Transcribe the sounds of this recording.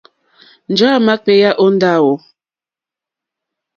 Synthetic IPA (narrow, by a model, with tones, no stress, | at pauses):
n̩˨d͡ʒa˦˨ma˦k͡pe˦ja˦ʔo˦n̩˦da˦˨wo˨